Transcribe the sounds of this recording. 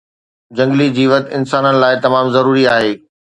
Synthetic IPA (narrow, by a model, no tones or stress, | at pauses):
d͡ʑɐ̃ŋɡlid͡ʑiːʋɐt̪ɪnsaːnənɪ̆laːɪt̪ɐmaːmzɐɾuːɾiaːɦeː